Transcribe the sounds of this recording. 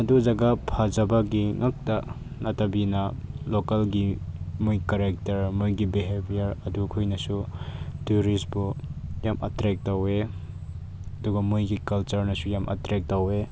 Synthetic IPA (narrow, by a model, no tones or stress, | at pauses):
ɐduzɐɡapʰazɐbɐɡiŋak̚tɐ | nɐtɐbinɐlokɐlɡimujkaɾek̚tɐɾmujɡibiɦebijɐɾɐdukʰujnɐsutuɾisbujamʔɐ̰tɾek̚tawe | ɐduɡɐmujɡikɐlt͡ʃɐɾnɐsujamʔɐ̰tɾek̚tawe